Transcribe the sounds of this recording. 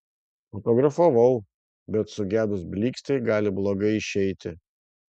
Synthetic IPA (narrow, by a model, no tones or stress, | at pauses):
fɔt̪ɔːɡɾɐfɐʋɐʊ | bʲɛt̪sʊɡʲæːd̪ʊsbʲlʲiːksʲt̪ɛɪɡɑːlʲɪblˠoːɡɐɪɪʃʲɛɪt̪ʲɪ